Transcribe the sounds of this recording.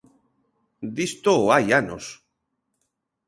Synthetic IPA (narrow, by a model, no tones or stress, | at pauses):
d̪ist̪oːajano̰s